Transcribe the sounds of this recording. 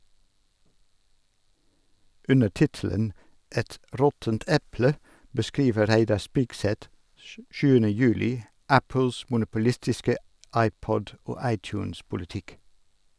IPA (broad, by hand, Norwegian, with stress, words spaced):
ˈʉnə ˈʈɪtl̩ən ˈɛt ˈɾɔtənt ˈɛplə bəˈskiːʋə ˈɾæɪdɑɾ ˈspɪɡsɛt ə ˈʃʉːənə ˈjʉːlɪ ˈæpl̩s mʊnʊpʊˈlɪstɪskə ˈɑɪˌpɔd ˈoː ˈɑɪˌtjʉːns pʊlɪˈtɪk